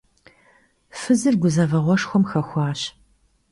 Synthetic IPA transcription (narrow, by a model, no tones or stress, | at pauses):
fɨzɨrɡʷʊzɐvɐʁʷɔʂxʷɔmxɐxʷɑːɕ